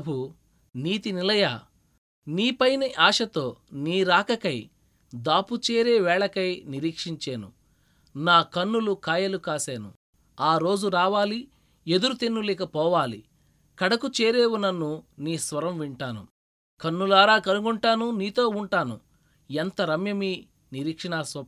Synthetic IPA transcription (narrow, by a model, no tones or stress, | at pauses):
bu | niːt̪inilɐjaː | niːpɐjnɐʔaːʂɐt̪o̞ːniːɾaːkɐkɐj | d̪aːput͡ʃeːɾeːʋɛːɭɐkɐjniɾiːkʂiɲt͡ʃeːnṵ | naːkɐnːulukaːjɐlukaːseːnṵ | aːɾo̞ːd͡ʒuɾaːʋaːli | e̞d̪uɾut̪enːulɛːkɐpɔːʋaːlḭ | kɐɽɐkut͡ʃeːɾeːwunːɐnːuniːsʋɐɾɐmʋiɳʈaːnṵ | kɐnːulaːɾaːkɐnuɡuɳʈaːnuniːt̪o̞ːuɳʈaːnu | ent̪ɐɾɐmjɐmi | niɾiːkʂɐɳaːsɐ